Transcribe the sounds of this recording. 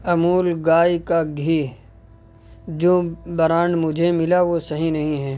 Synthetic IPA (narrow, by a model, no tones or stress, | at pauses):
ɐmuːlɡaːjkaɡʱiː | d͡ʒoːbɐɾaːnmʊd͡ʒʱemɪlaʋosɐɦĩnɐɦĩɦɛː